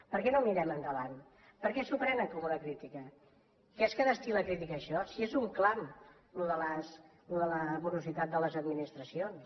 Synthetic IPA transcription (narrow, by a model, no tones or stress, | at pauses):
pəɾkɛnomiɾɛmənd̪əβan | pəɾkɛsupɾɛnəŋkɔmunəkɾit̪ikə | kɛskəðəst̪iləkɾit̪ikəːʃɔsiezuŋklam | luðələs | luðələβuɾuzit̪at̪̚d̪ələzəd̪minist̪ɾəsions